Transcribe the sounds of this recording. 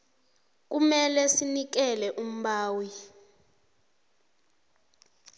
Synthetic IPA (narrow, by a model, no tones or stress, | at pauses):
k̬umɛlɛsinik̬ɛlɛʔum̩ɓaːwi